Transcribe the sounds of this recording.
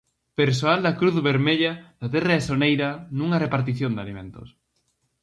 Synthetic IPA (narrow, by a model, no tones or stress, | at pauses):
peɾs̬oald̪akɾuθβeɾmeʎaðat̪eraesonejɾanũŋarepaɾt̪̬iθjond̪a̰limḛ̃nt̪o̰s